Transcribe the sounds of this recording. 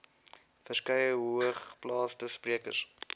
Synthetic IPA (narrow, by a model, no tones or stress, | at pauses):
fərskɐjəɦuəχplɑːstəspriəkə̰rs